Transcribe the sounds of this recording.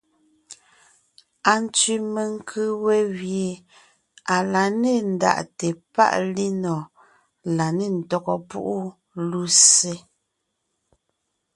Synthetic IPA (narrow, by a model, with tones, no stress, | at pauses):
a˨n˦t͡sɥi˦me˨ŋ˦kʰɨ˦wɛ˦ɣje˨ | a˨la˨ne˦˨n̩˨da̰˨ʔte˨pa̰˦ʔli˦nɔ˨ | la˨ne˦˨n̩˨tɔ˦kɔ˦pṵ˦ʔu˦ | lu˦se˦